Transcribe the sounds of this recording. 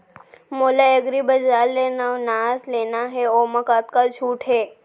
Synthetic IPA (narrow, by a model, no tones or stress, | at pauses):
moːlaeɡɾibɐd͡ʒaːlːeːnaonaːzleːnaɦɛoːmɐkaːt̪̚kat͡ʃʰuːʈɦɛː